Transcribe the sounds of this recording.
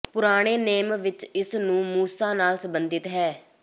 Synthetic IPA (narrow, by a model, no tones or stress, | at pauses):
pʊɾaːɽ̃eːneːmʋɪt͡ʃɪsnũːmuːsaːnaːlsəmbənd̪ɪt̪ɦɛː